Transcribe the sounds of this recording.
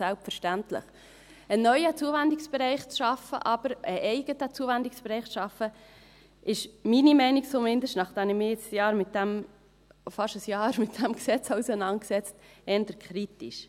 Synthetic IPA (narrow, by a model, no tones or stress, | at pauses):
sælpfəɾʃtæntlə̰χ | ənːœʏət͡suəvænd̪ɪksb̥ɛɾɛɪχt͡sʃɑfə̰ʔɑb̥əɾəʔɛɪɡ̥ətət͡suəvænd̪ɪksb̥ɛɾɛɪχt͡sʃɑfːə | ʔɪʃminimɛɪnik̚t͡somɪnd̪əʃtnɑχd̥ænɪmɪːɪt͡sjɑːɾmɪt̚d̥̪æm | fɑʃəsjɑːɾmɪt̚d̥̪æmksɛt͡sɑwsənɑn̚ksɛt͡stɛːnd̪əɾkχɾitiʃ